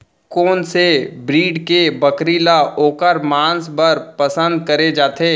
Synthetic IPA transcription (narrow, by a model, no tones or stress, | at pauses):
koːnsebɾiːɖkebəkɾiːlaʔoːkəɾmãːnsbɐɾpəsə̃nd̪̚kɐɾed͡ʒaːt̪eː